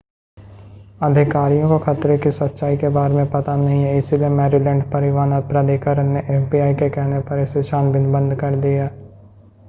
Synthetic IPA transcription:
əd̪ʱɪkaːɾijõkokʰat̪ɾekisɐt̪ːʃaːikebaːɾemẽpɐt̪anɐɦĩɦɛɪsiliemɛːɾilɛ̃ːɳɖpɐɾɪʋaːnəpɾad̪eːkəɾənːeʔeːfbiːaːikekɛɦnepɐɾɪseʃaːnbɪnbə̃nd̪kɐɾd̪ijaː

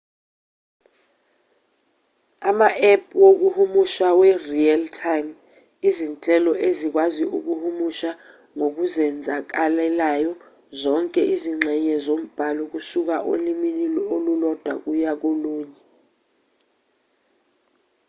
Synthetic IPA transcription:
amaʔɛp̚ʰwok̬uhumuʃawɛrialtʰajm | izint͡ɬʼɛlɔʔezik̬waziuk̬uhumuʃa | ŋok̬uzɛnd͡zʱak̬alɛlajɔ | zɔŋkʼɛʔiziŋ͡ǁʱɛɲɛzom̩b̥ʱaluk̬usuk̬aʔo̰limililɛolulɔd̥ʱwa̰k̬ujak̬oluːɲɛ

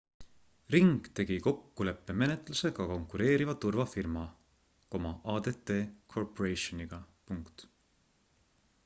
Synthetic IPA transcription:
riŋɡ̥t̪e̞ɡ̥iko̞kːule̞pːeme̞net̪ˑluse̞ɡɑko̞ŋkːˑuɾe̞ːɾivɑt̪urvɑfirmɑ | ko̞mɑʔɑːd̪et̪ːe̞ːkʰo̞rpoɾejʃoniɡ̥ɑ | puŋkt̪

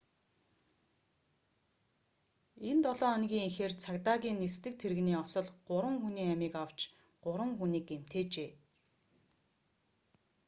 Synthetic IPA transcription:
ent̪ɔɮɔːɔnɣʲiːŋixeːrt͡sʰakt̪aːɣʲiːnːest̪ɘ̆k̚t̪ʰeɾɘ̆ɣniːɔsɞ̆ɮɢʊɾwə̆ŋxuniːæmiːkaw̥t͡ɕ | ɢ̥ʊɾwə̆ŋxuniːkem̥t̪eːt͡ɕeː

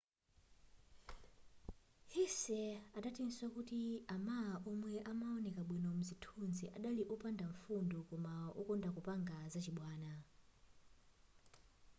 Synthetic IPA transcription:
hisɛatatinswakutiamaaʔɔmwɛʔamaɔnɛkaɓwinɔmuzitʰunziʔaɗaliʔupandaɱ̩fundukɔmaṵkɔndakupaŋɡazat͡ʃiɓwaːna

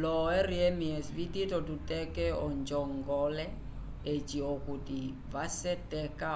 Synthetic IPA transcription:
lɔɛriɛmiɛsvititɔtutʼɛkɛɔnd͡ʒɔŋɡɔlɛ | et͡ʃʼiokuti | vasɛtʼɛka

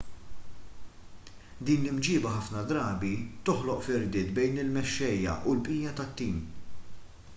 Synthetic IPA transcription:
d̪iːnlɪmd͡ʒɪːbɐɦɐfnɐd̪ɾɐːbit̪ɔħlɔʔfɪɾd̪ɪːt̪bɛjnɪlmɛʃːɛjːɐ̰ʔulpʔiːjɐt̪ɐt̪ːiːm

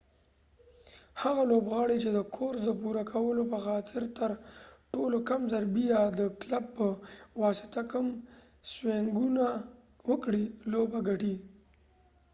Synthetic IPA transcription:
haɣalobɣɑɽet͡ʃed̪əkʰoɾsd̪əpuɾakʰawəlopəxɑt̪ʰɪɾt̪əɾʈolokamzaɾbijɑd̪əklab̚pəwɑsɪ̥t̪akəm | sweŋɡuna | wəkɽilobaɡaʈi

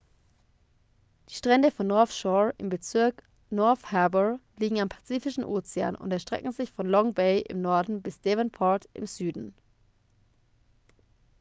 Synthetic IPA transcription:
d̥iːʃtʁ̥ɛndəfɔnːɔɐfʃɔɪ̰mbət͡sɪɐk | nɔɐfhɛɐbəliːɡŋ̩ampʰḁt͡siːfɪʃn̩ʔoːt͡sea̰ːnʊ̰ntɛɐʃtʁ̥ɛ̰kŋ̩zɪçfɔnlɔŋbeɪʔɪ̰mnɔɐdn̩bɪsd̥ɛvɛnpʰɔtʔɪ̰mzyːdn̩

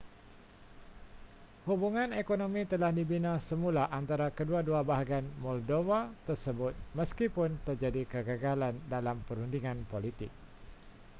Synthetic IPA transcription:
hubuŋãnekonomĩt̪əlahdibinasəmulaʔant̪aɾakəduaduabaɦaɡianmɔldovat̪ərsəbʊt̪̚mə̃skipʊnt̪ərd͡ʒadikəɡəɡalandalampəɾundiŋãnpolit̪ɪ̰k̚

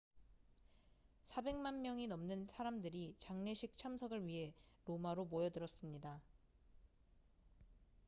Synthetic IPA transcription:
sʰabe̞ŋmanmjʌŋinʌmnɯnsʰaɾamdɯɾit͡ɕaŋɲeɕʰik̚t͡ɕʰamsʰʌɡɯɭɥiɦe̞ɾomaɾomojʌdɯɾʌs͈ɯmɲida

